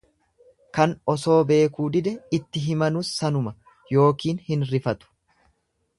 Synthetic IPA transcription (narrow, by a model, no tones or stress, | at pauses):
kɐnɔso̞ːbe̞ːkuːd̪ɪd̪ɛɪt̪ːɪɦɪmɐnʊsːɐnʊmɐ | jo̞ːkiːnhɪnɾɪfɐt̪ʊ̥